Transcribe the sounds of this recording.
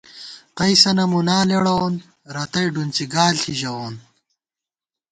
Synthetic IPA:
qɐjsɐnɐmunaːleɽɐon | ɾɐt̪ɐjɖunt͡siɡaːlɬʰiʑɐwoːn

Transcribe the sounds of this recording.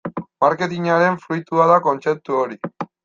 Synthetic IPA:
maɾke̞t̪̬iɲaɾe̞ɱfɾujt̪uaðako̞nt͡se̞p̚t̪uoɾi

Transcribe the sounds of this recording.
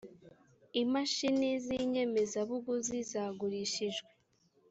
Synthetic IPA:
imaʃiniziɲe̞me̞zaβuɡuzizaːɡuɾiʃiʒɡwe

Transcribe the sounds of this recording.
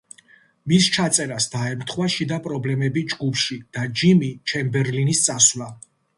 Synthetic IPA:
mist͡ʃʰat̪sʼɛɾasd̪̥aɛmɾt̪ʰχwaʃid̪apʼɾɔblɛmɛbid͡ʒɡupʰʃid̪̥ad͡ʒimit͡ʃʰɛmbɛɾlinist̪sʼaswla

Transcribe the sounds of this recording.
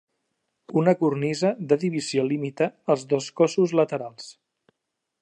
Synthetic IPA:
unəkurnizəðəðiβ̞iziolimit̪əːlˠzðoskɔsuzlət̪əɾalˠs

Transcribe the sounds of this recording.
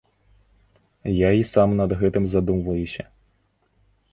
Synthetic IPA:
jaisɑmnɐd̪ɣɛt̪ɪmzɐd̪umvɐjʊsʲɐ

